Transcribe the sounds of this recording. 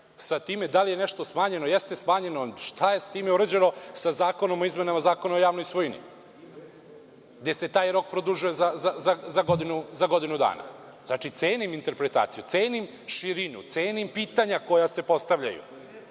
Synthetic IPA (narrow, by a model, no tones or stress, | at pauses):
sat̪iːme̞d̪alije̞neʃt̪o̞smaːɲe̞nojest̪e̞smaːɲe̞noʃt̪ʰaje̞sḁt̪iːmeuɾed͡ʑeno̞sazaːko̞no̞mo̞izme̞namazaːkonoojaːʋnojsʋojnḭ | ɡd̪ese̞t̪aːjɾo̞k̚pɾod̪uʒujezazazazaɡod̪inuzaɡo̞d̪inud̪a̰ːna̰ | znat͡ʃit̪seːnimint̪e̞ɾpɾet̪a̰ːt̪sijut̪seːnim | ʃiɾinṵt̪seːnimpiːt̪aɲako̞jase̞po̞st̪aʋʎa̰jṵ